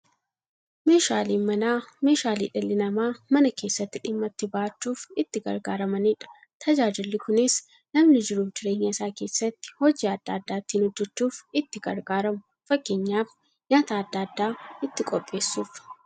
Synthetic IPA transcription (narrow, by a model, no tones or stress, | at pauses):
me̞ːʃaːliːmɐnaːme̞ːʃaːlḭːᶑɛlːɪnɐmaːmɐnɐke̞ːsːɐt̪ːɪᶑɪmːɐt̪ːɪbaʔɐt͡ʃːuːfɪt̪ːɪɡɐ̰ɾɡaːɾɐmɐniːᶑɐ̥ | t̪ʰɐd͡ʒaːd͡ʒɪlːɪkʊnɪs | nɐmnɪd͡ʒɪɾuːfd͡ʒɪɾe̞ːɲːɐɪsaːke̞ːsːɐt̪ːɪ̥hɔd͡ʒiːɐd̪ːaːd̪ːaːt̪ːiːnhɔd͡ʒːɛt͡ʃːuːfɪt̪ːɪɡɐɾɡaːɾɐmʊ | fɐkːeːɲːaːf | ɲaːt̪aːɐd̪ːɐːd̪ːaːɪt̪ːɪkʼɔpʼːe̞ːsːuːf